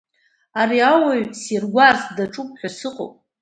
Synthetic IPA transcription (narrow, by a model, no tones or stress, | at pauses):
aɾiawaɥsirɡʷarsdaʈ͡ʂʼupʼħᶣasɨqʼo̰wpʼ